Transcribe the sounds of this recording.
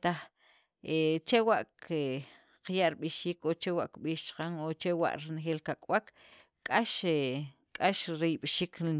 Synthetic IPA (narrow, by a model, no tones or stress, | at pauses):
t̪aχ | ʔet͡ʃewaʔke | qjaʔɾiɓiʃiːkot͡ʃewaʔkɓiːʃt͡ʃqaŋot͡ʃewa̰ʔɾinxeːlkakʼwak | kʼaʃe | kʼaʃɾijɓʃiːk